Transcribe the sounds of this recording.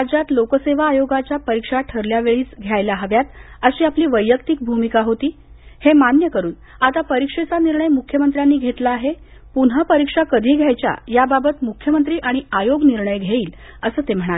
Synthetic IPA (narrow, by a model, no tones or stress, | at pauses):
ad͡ʑat̪lokəseʋaːjoɡat͡ɕapəɾikʂaʈʰəɾljaʋeɭiːt͡sɡʱjajlaɦəʋjat̪əɕiːapliːʋəjːəkt̪iːk̚bʱumikaɦot̪iː | hemanjəkəɾuːn | at̪apəɾikʂet͡saniɾɳəjmukʰjəmənt̪ɾjanːiːɡʱet̪laːɦe | punɦəpəɾikʂakəd̪ʱiːɡʱjajt͡ɕja̰jababət̪mukʰːjəmənt̪ɾiːʔaɽ̃iajoɡniɾɳəjɡʱjaiːl | əsəːt̪em̤əɽ̃ale